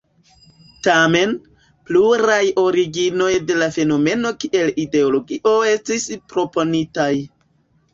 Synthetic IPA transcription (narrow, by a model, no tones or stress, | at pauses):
tame̞n | pluɾajo̞ɾiɡino̞jde̞lafe̞no̞me̞no̞kiʔe̞lide̞olo̞ɡiʔo̞e̞stispɾo̞ponitaj